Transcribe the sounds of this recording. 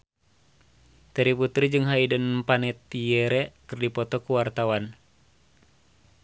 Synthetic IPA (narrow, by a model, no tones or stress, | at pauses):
t̪ɛɾiput̪ɾid͡ʒɨŋɦaidənpanɛt̪ːiɛɾɛkɨrdipɔt̪ɔkuwart̪awan